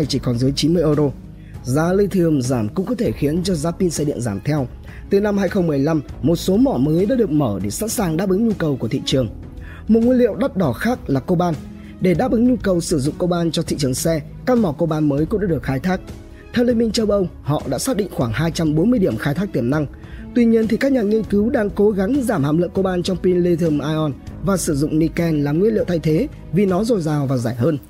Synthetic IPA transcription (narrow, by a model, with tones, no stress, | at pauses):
jt͡ɕi˧˩kɔ˨˩nzɨː˨˦jt͡ɕi˨˦nmɨ˧əjʔəː˧zo˧ | zaː˨˦li˧t̪ʰɨ˨˧˩əmzaː˧˩mkʊ̰˧˥ŋ͡mkɔ˨˦t̪ʰe˧˩xi˨˦ənt͡ɕɔ˧zaː˨˦pi˧nsɛ˧ɗḭ˧˨ənzaː˧˩mt̪ʰɛ˧w | t̪ɨ˨˩na˧mhaː˧jxə˧wŋ͡mmɨ˨˩əjla˧mmo˨˩t̚so˨˦mɔ˧˩məː˨˦jɗa̰ː˧˥ɗɨ˨˩ək̚məː˧˩ɗe˧˩sa̰˧˥nsaː˨˩ŋɗaː˧˥pʔɨ˨˦ŋɲu˧kə˨˩wku˧˩ət̪ʰḭ˧˨t͡ɕɨ˨˩əŋ | mo˨˩t̚ŋi˧nlḭ˧˨wɗə˦˥t̚ɗɔ˧˩xaː˦˥k̚laː˨˩ko˧ɓaː˧n | ɗe˧˩ɗa̰ː˦˥p̚ʔɨ˨˦ŋɲu˧kə˨˩wsɨ˧˩zʊ̰˧˨ŋ͡mko˧ɓaː˧nt͡ɕɔ˧t̪ʰḭ˧˨t͡ɕɨ˨˩əŋsɛ˧ | kaː˧˥k̚mɔ˧˩kə˧ɓaː˧nməː˨˦jkʊ̰˧˥ŋ͡mɗaː˧˥ɗək̚xaː˧jt̪ʰaː˦˥k̚ | t̪ʰɛ˧wle˧nmï˧ŋ̟t͡ɕə˧wʔə˧w | hɔ̰˧˨ɗa̰ː˧˥saː˦˥t̚ɗḭ˧˨ŋ̟xwaː˧˩ŋhaː˧jt͡ɕa˧mɓo˨˦nmɨ˧əjɗi˧˩əmxaː˧jt̪ʰaː˦˥k̚t̪i˧˩əmna˧ŋt̪wi˧ɲi˧ənt̪ʰi˨˩kaː˦˥k̚ɲaː˨˩ŋi˧ənkɨ˨˦wɗaː˧ŋko˨˦ɣa˨˦ŋzaː˧˩mha̰ː˧˨˩mlə̰˧˨ŋko˧ɓaː˧nt͡ɕɔ˧wŋ͡mpi˧nli˧t̪ʰə˧mʔaː˧ʔɔ˧nvaː˨˩sɨ˧˩zʊ̰˧˨ŋ͡mni˧kɛ˧nlaː˨˩mŋwi˧ənlḭ˧˨wt̪ʰa˧jt̪ʰe˨˦ | vi˨˩nɔ˨˦zo˨˩jzaː˨˩wvaː˨˩zaː˧˩jɦəː˧n